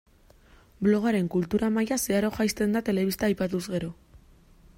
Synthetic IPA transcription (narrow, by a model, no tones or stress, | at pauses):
blo̞ɣ̞aɾe̞ŋkult̪uɾamajaseaɾo̞xajst̪e̞nd̪at̪e̞le̞βist̪aːjpat̪uzɣe̞ɾo̞